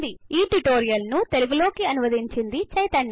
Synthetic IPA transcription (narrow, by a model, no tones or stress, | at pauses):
d̪iiːʈuʈoːɾijɐlnut̪eluɡulo̞ːkiɐnuʋɐd̪iɲt͡ʃind̪it͡ʃɐjt̪ɐɳː